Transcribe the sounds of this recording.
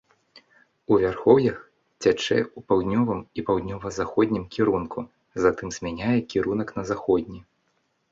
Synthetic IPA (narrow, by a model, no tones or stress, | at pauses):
uvʲarxɔwjɐx | t͡sʲat͡ʂɛ̰upawd̪nʲɔvɨmipawd̪nʲɔvɐzaxɔd̪ʲnʲimkʲiɾunkʰu | zat̪ɨmz̥ʲmʲanʲajɛkʲiɾunɐknɐzaxɔd̪ʲnʲi